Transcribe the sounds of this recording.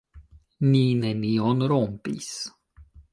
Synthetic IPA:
ninenionɾompḭs

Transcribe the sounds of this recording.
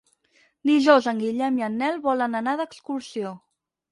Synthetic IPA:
niʒozəŋɡiʎɛmiənːɛlˠβɔlənənaðəkskursio

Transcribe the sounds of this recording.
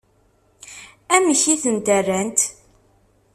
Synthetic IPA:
æməçiθənt̪ærːænt̪

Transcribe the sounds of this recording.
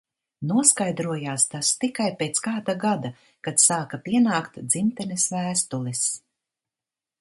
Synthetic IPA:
nuɔskajd̪ɾuɔjaːst̪ast̪ikajpeːt̪skaːd̪aɡad̪a | kat̪saːkapiɛnaːkt̪d̪zimt̪ɛnisvæːst̪ulˠis

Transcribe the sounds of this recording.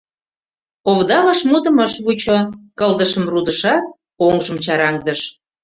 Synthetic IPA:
oβd̪ɑβɑʃmud̪ə̆məʃβut͡ɕokəld̪əʃəmrud̪əʃɑt̪̚ | oŋʒəmt͡ɕɑɾɑŋd̪əʃ

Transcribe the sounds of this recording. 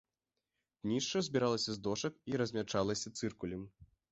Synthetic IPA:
nʲiʂt͡ʂɐzʲbʲiɾalˠɐsʲɐzd̪ɔʂɐkiɾɐzʲmʲat͡ʂalˠɐsʲɐt̪sɨrkulʲim

